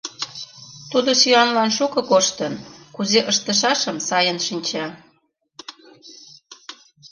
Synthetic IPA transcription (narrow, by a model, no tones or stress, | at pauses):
t̪ud̪osyɑnlɑnʃukɤ̆koʃt̪ənkuzeʔəʃt̪əʃɑʃəmsɑjənʃinʲt͡ɕɑ